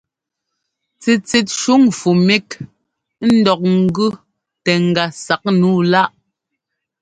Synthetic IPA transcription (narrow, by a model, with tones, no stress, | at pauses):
t͡si˨t͡si˨t̚ʃu˦ŋfu˨mi˦k | n̩˦dɔ˨k̚ŋ̩˦ɡʉ˦ | tɛ˨ŋ̩˨ɡa˨sa˨k̚nuː˦˨la˦ʔ